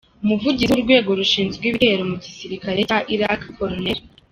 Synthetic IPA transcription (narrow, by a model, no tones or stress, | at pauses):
umuvuɟizuɾɡwe̞ːɡo̞ɾuʃiːnzɡwiːβiɾe̞ɾomuɟisiɾikaɾe̞caʔiɾakko̞ɾoneɾ